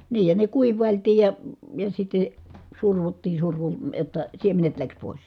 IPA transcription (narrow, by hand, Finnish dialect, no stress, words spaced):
niːj jɑ ne kuiʋˑɑˑiltiːj jɑ jɑ sitːe surʋutːiː surʋu jotːɑ siemenet læks poˑis